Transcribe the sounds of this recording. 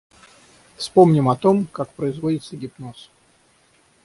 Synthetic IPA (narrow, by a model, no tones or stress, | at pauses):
fspomnʲɪmɐt̪o̞mkakpɾəɪzvodʲɪt̪səɡʲɪpnos